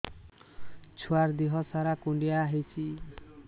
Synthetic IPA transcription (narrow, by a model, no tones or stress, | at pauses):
t͡ʃʰuaɾd̪iɦɔsaɾakuɳɖijaɦit͡ʃʰi